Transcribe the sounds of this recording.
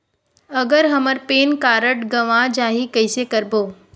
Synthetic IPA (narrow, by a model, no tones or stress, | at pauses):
əɡəɾɦəməɾpeːnkaɾəʈɡəʋãd͡ʒaɦikəjsekəɾboː